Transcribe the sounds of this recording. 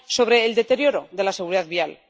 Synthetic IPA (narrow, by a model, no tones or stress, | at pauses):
so̞βɾe̞ːld̪e̞t̪e̞ɾjo̞ɾo̞ðe̞lase̞ɣ̞uɾiðaðβial